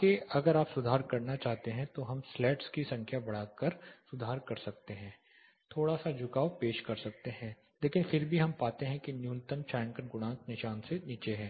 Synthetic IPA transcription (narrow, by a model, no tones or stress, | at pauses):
keɐɡəɾaːpsʊd̪ʱaːɾkɐɾnat͡ʃaːɦt̪eɦɛ̃t̪oɦɐmslɛːʈskisɐ̃ŋkʰjabɐɽ̤aːkəɾsʊd̪ʱaːɾkɐɾsɐk̚t̪eɦɛ̃ː | t̪ʰoːɽasad͡ʒʱʊkaːopeːʃkɐɾsɐk̚t̪eɦɛ̃ː | leːkɪnfɪɾbʱiɦɐmpaːt̪eɦɛ̃kinjuːnt̪əmt͡ʃãːŋkənɡʊnaːknɪʃaːnseniːt͡ʃeɦɛː